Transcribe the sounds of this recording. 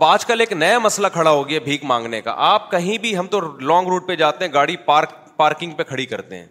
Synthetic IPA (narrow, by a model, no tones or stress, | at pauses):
baːd͡ʒkɐleːknɐjamɐslakʰɐɽaɦoːɡɛbʱiːkmãːŋɡneka̰ʔaːp̚kɐɦĩbʱiɦɐmt̪olɔ̃ːŋɡɾuːʈ̚ped͡ʒaːt̪eɦɛ̃ɡaːɽipaːɾk | paːɾkɪ̃ŋɡ̚pekʰɐɽikɐɾt̪ḛɦɛ̰̃ː